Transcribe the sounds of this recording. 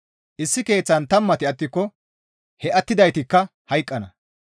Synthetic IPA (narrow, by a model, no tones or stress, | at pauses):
ʔɪsːɪke̞ːt͡sːɐnt̪ɐmːɐt̪ɪɐt̪ːɪkːɔ | hɛʔɐt̪ːɪd̪ɐjt̪ɪkːɐhɐjkʼːɐnɐ